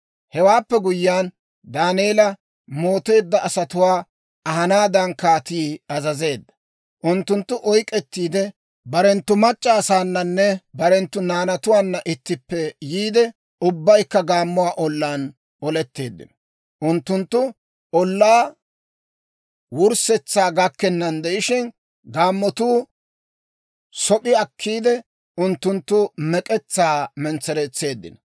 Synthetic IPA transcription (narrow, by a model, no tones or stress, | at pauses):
hɛwaːpːɛɡʊjːaːn | d̪aːneːlɐ | mo̞ːt̪e̞ːd̪ːɐʔːsɐt̪ʊwaː | ɐɦɐnaːd̪ɐnkaːt̪iːɐzɐze̞ːd̪ːɐ̥ | ʔʊnt̪ːʊnt̪ːʊʔɔjkʼɛt̪ːiːd̪ɛ | bɐɾɛnt̪ːʊmɐt͡ʃʼːaːsaːnːɐnːɛbɐɾɛnt̪ːʊnaːnɐt̪ʊwaːnːɐʔɪt̪ːɪpːɛjiːd̪ɛ | ʊbːɐjkːɐɡaːmːʊwaːʔɔlːaːn | ɔlɛt̪ːe̞ːd̪ːɪ̰nɔ | ʔʊnt̪ːʊnt̪ːʊ | ɔlːaː | wʊɾsɛt͡sːaːɡɐkːɛnːɐnd̪ɛʔɪʃɪn | ɡaːmːɔt̪uː | sɔpʼɪɐkʰːiːd̪ɛ | ʊnt̪ːʊnt̪ːʊmɛkʼɛt͡sːaːmɛnt͡sːɛɾɛt͡sːe̞ːd̪ːɪ̰nɐ